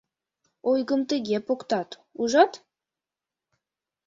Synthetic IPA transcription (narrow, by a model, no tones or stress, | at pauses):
ojɡəmt̪ɘ̆ɡʲepokt̪ɑt̪uʒɑt̪